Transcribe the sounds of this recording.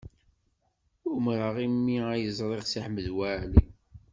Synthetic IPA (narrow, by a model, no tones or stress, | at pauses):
ʊmɾəʁimːiæjəzˤɾˤeʁsiħməðwæli